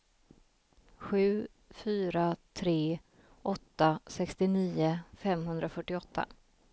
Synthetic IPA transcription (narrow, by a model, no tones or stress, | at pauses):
ɧʉ̟ː | fyːɾat̪ʰɾeː | ʔɔt̪ːasɛkst̪ɪniːʊfɛmɦɵnd̪ɾafœʈːɪɔt̪ʰːa̰